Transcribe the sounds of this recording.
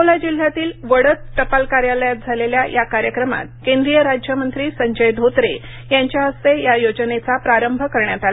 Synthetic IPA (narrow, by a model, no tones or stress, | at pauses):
olad͡ʑil̤ːjat̪iːlʋəɽət͡s̪ʈəpalkaɾjaləjat̪̚d͡zʱaleljajʔakaɾjəkɾəma̰t̪̚kẽnd̪ɾijəɾad͡ʑʱjəmənt̪ɾiːsəɲd͡ʑəjd̪ʱot̪ɾe | jaɲt͡ɕjaɦəst̪ejajod͡ʑnet͡sapɾaɾəmbʱəkəɾɳjat̪ala